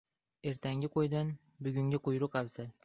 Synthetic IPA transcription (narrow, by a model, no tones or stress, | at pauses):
e̞ɾt̪ʰaŋɡʲɪqʰojd̪an | bʊɡʲʊŋɡʲɪqʰʊjɾʊqabzal